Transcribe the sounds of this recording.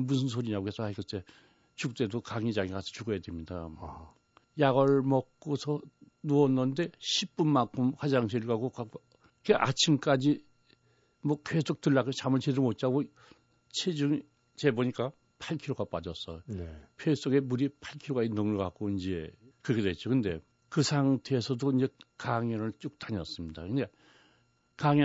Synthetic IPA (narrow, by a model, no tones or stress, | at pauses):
musʰɯns̬ʰoɲiɲabues͈ʌaikɯt͈e | t͡ɕuk̚t͈e̞dokaŋid͡ʑaŋikasʰʌ̥t͡ɕuɡʌjadwemɲida | jaɡʌɭmʌk̚k͈osʰʌ | nuʌnːʌnde̞ɕʰip͈unmaŋkʰumkad͡ʑaŋsʰeɭɡaɡoka | keʔat͡ɕʰimk͈ad͡ʑi | mwʌke̞sʰok̚tɯɭːaɡot͡ɕamɯɭt͡ɕʰedɯɭmot̚t͡ɕ͈aɡo | t͡ɕʰed͡ʑuŋi | t͡ɕe̞boɲik͈a | pʰaɭkʰiɾoɡap͈ad͡ʑʌs͈ʌ̰jopʰes͈oɡe̞muɾipʰaɭkʰiɾoɡanʌŋɯɭɡak͈oind͡ʑe̞kɯɾʌkʰedwet͡ɕ͈okɯnde̞ | kɯsʰaŋtʰe̞ːsʰʌdoind͡ʑe̞kaŋjʌnɯɭt͡ɕ͈ok̚t͈aɲʌs͈ɯmɲida̰kɯnde̞ | kaŋjʌ